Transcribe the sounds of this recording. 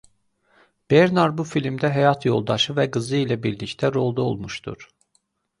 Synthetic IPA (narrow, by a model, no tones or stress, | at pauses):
b̥eɾnɑɾbufilimd̪æɦæjɑt̪ʰjo̞̰lˠd̪ɑʃɯvæɡɯzɯilæbiɾlict̪ʰæɾo̞lˠd̪ɑo̰lˠmuʃt̪ṵɾ̥